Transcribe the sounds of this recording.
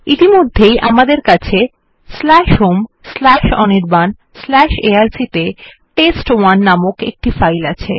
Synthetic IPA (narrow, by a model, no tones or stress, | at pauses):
it̪imod̪ʱːejʔamad̪eɾkat͡ɕʰe | slɛʃɦomslɛʃɔniɾban | slɛʃeaɾsit̪e | ʈesʈwanːamokḛk̚ʈifajlat͡ɕʰe